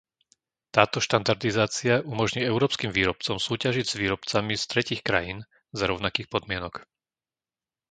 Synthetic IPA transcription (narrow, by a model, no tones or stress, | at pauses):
t̪aːt̪ɔʃt̪and̪aɾd̪izaːt͡siaʔumɔʒɲiːɛʊɾɔːpskiːmʋiːɾɔp̚t͡sɔmsuːcaʒiɟz̥ʋiːɾɔpt͡samist̪ɾɛciːxkɾa̰jiːn | zaɾɔʊnakiːxpɔd̪mɪɛnɔk